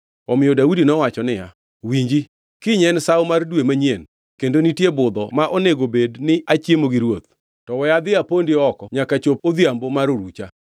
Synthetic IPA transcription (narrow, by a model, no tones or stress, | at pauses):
ɔmɪjɔdaudinɔwat͡ʃɔnɪja̰ | wiɲd͡ʒi | kɪɲɛnsawmardwemaɲjen | kendonitjebʊd̪ɔmaʔoneɡobednɪʔat͡ʃjemoɡiɾwot̪̚ | tɔwɛjad̪ɪapondɪɔkɔɲakat͡ʃopod̪jambomaɾoɾut͡ʃa